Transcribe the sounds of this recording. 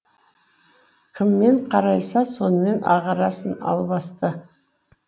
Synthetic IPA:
kʲʰɪmːe̞ɴqʰɑɾɑjsɑso̞nəme̞nʔɑ̰ʁɑɾɑsənɑ̰lˠbɑst̪ə

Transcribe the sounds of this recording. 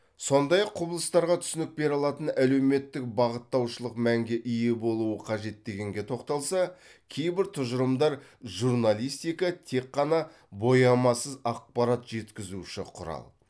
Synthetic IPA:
so̞nd̪ɑjɑqʰːʊbəlˠəst̪ɑɾʁɑt̪ʰʏ̥sɪnɪk̚be̞ɾɑlˠɑt̪ənæle̞wme̞t̪ːɪk̚bɑʁət̪ːɑwʃəlˠəqmæŋɡʲe̞ʔijebo̞lˠuəqʰɑʒe̞t̪ːe̞ɡʲe̞ŋɡʲe̞t̪ʰo̞qt̪ɑlˠsɑkʲʰe̞jbɪɾt̪ʰʊʒəɾəmd̪ɑɾʒuɾnalʲˠijst̪ijkɑt̪ʰe̞kqːɑnɑ | bo̞jɑmɑsəzɑq̚pɑɾɑt̪ʒ̥e̞t̪kʲɪzuʃɪ̰qʰʊɾɑ̰lˠ

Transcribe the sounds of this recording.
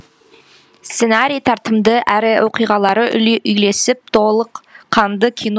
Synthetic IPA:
st̪senaɾijt̪ʰɑɾt̪əmd̪əʔæɾɪwʔo̞qijʁɑlˠɑɾəʏjle̞sɪp̚t̪ʰo̞lˠəqʰːɑnd̪əkʲʰin

